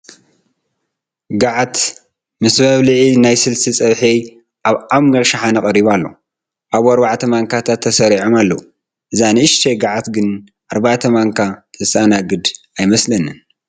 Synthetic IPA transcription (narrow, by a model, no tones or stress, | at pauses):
ɡaʕat̪ | mɨsmɐβlɨʕinajsɨlsit͡sʼɐβħi | ʔaβamːɐɾʃaħanɐkʼɐɾiβalːo | ʔaβɐɾbaʕt̪ʰɐmaŋkʰat̪ʰat̪ʰːɐsɐɾiʕomalːou | ʔɨzanɨɨʃt̪ʰeɡaʕat̪ɡɨn | ʔaɾbaʕt̪ʰɐmaŋkʰat̪ʰɨsanaɡɨd̪ | ajmɐslɐnɨn